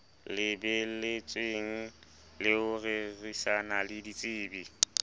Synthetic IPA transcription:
lɪbɛlɪt͡sʼweŋ̩ | lɪʊrerisanalɪdit͡sʼiːbi

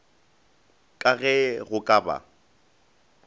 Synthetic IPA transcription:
kʼaɣɛɣʊkʼaba̰

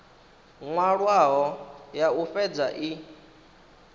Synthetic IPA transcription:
ŋwaɺwaɦɔjaufɛd͡zaʔi

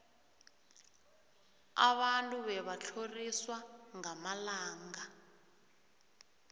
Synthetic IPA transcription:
a̰βantʼuβɛβat͡ɬʰoriswaŋamalaːŋɡa

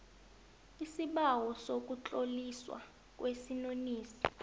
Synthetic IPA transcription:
isiɓawɔsok̬ʼut͡ɬʼoliswa̰ | k̬ʼwesinoniːsi̥

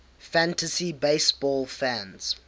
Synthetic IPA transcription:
fæ̃ntəsibeɪsb̥ɔlfæ̃nz̥

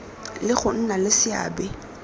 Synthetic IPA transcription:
lɪχʊn̩nalɪsɪa̰ːbɛ

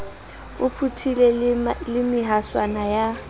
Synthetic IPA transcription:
ʊpʰutʰilɛlɪmɪɦaswanaja

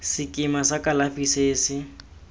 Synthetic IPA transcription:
sɪkʼɪmasakʼalafiseːsɪ

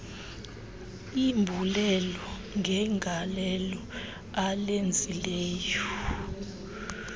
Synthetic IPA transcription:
imbʱulɛlɔ | ŋɡʱɛŋʱalɛlɔ | alend͡zʱilɛːjɔ

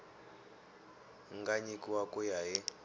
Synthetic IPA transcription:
ŋɡaɲikʼwakʼujaɦɛ

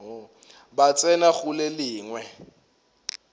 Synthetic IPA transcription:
bat͡sʼɛnaɣʊlɛlɪːŋwɛ

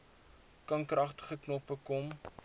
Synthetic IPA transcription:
kɐnkrʔɐχtə̥χəknɔpəkɔm

